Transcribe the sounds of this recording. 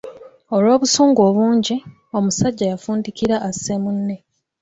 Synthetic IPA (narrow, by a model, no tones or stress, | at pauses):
o̞lwo̞ːβusuːŋɡo̞ːβuːɲɟi | o̞musaɟːajafuːndikiɾaʔːsːemunːe̞